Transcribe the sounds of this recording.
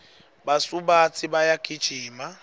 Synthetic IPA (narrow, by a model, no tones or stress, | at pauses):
basubat͡sʰʼibajakʼid̥ʒ̥ʱiːma